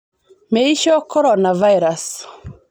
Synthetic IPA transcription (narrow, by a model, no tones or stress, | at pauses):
meiʃɔkɔɾɔnavaiɾas